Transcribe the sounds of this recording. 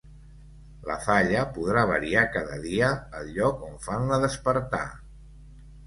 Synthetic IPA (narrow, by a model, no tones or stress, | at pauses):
lə̰faʎəpuðɾaβə̰ɾiakaðəðiəːlʎɔkoɱfanləðəspəɾt̪a̰